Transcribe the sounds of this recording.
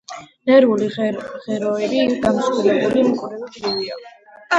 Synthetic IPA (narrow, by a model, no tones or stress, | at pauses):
nɛɾuliʁɛɾɔɛbiɡamsχulɛbulimɔχʼɾɛud̪ɾivia̰